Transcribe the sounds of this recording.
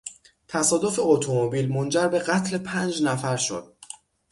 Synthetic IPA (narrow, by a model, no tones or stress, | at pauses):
t̪ʰæsɒːd̪o̞fe̞ot̪ʰomobiːlmond͡ʒæɾbe̞ɢæt̪ʰle̞pʰænd͡ʒnæfæɾʃo̞̰d̪̥̚